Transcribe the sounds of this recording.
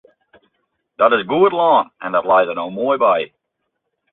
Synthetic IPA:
ðəɾɨzɡuədˡlɑ̃nʔɨ̃nðətˡlaɪzənoʊmɔɪbaɪ

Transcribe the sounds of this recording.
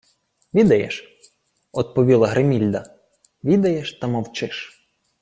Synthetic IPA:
ʋʲid̪ɐjɛ̰ʃ | ɔd̪̚pɔʋʲilˠɐɦɾʔemʲilʲd̪ɐ | ʋʲid̪ɐjɛʃt̪ɐmɔwt͡ʃɪʃ

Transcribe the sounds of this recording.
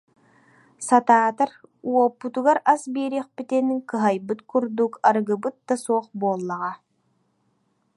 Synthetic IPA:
sat̪aːt̪aɾuɔpːut̪uɡaɾasbeːɾiχpit̪ɛniŋkɯɦajbɯt̪kuɾd̪ukaɾɡɯbɯt̪̚d̪asoːχboːlˠːaʁɑ

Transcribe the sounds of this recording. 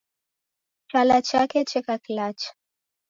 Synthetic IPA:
t͡ʃalat͡ʃakɛt͡ʃɛkaklat͡ʃ

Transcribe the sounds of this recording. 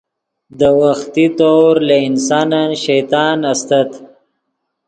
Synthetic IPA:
d̪əwaxt̪it̪oɾlaɪnsɑnanʃajt̪ɑːnast̪at̪

